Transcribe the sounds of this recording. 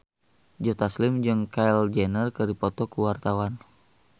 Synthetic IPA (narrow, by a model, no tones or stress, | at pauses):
d͡ʒɔt̪aslimd͡ʒɨŋkaɛld͡ʒɛnərkɨdipɔt̪ɔkuwart̪awan